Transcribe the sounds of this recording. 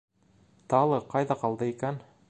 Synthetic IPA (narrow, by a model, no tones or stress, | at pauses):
t̪ɑlˠɤqɑjðɑqɑlˠd̪ɤikæn